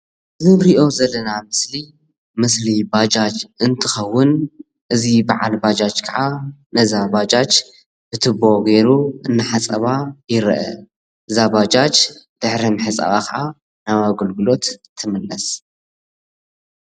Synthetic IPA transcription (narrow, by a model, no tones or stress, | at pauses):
ɨzɨɾiʔo̞zɐlːɐnamɨsli | mɨslibad͡ʒat͡ʃɨnt̪ʰɨxɐwːʊn | ʔɨzibaʕalbad͡ʒat͡ʃkʰaʕanɐzabad͡ʒat͡ʃ | b̥ɨt̪ʰɨbo̞ɡeɾuɨnːaħat͡sʼɐβajɪɾʔɐ̰ | ʔɨzabad͡ʒat͡ʃd̪̥ɨħɾimɨħɨt͡sʼɐ̰βakʰaʕa | nawaɡɨlɡɨlo̞t̪t̪ʰːɨmɨlːɐs